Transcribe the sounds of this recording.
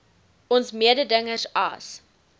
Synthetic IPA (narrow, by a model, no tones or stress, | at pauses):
ɔnsmiədədəŋərsɐ̰s